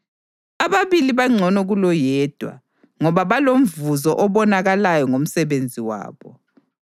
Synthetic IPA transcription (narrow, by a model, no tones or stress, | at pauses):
aβaβiliβaŋ͡ǀʱɔnɔɣulɔjɛːd̥ʱwa̰ | ŋɔβaβalom̩vuzɔʔɔβɔnaɣalajɔŋom̩sɛβend͡zʱiwa̰ːβɔ